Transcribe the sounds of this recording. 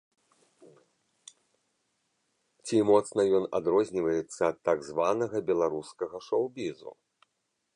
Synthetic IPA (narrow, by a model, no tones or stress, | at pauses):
t͡sʲimɔt̪snɐjɔna̰d̪ɾɔzʲnʲivɐjɛt̪sːɐːt̪ːaɡzvanɐɣɐbʲɛlˠaɾuskɐɣɐʂowbʲizṵ